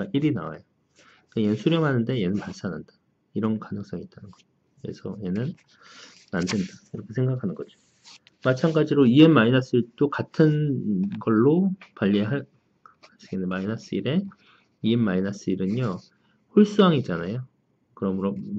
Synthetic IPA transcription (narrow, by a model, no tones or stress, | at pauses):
aʔiɾina̰wa̰jo | kejensʰuɾjʌŋɦanɯnde̞je̞nɯnpaɭs͈ananda | iɾʌnkanɯŋs͈ʌŋit͈anɯnɡʌo | je̞̰sʰʌ̰je̞nɯnː | andendakiɾʌkʰe̞sʰe̞ŋɡakʰanɯnɡʌd͡ʑo̥ | mat͡ɕʰaŋɡad͡ʑiɾoienmainas͈ɯiɭt͈okatʰɯnɡʌɭːopwaʎːiɦaɭ | asʰɯɡenemainas͈ɯḭɾe̞ | ienmainas͈ɯiɾɯno | hoɭs͈uɦaŋit̚t͡ɕ͈anajo | kɯɾʌmɯɾʌ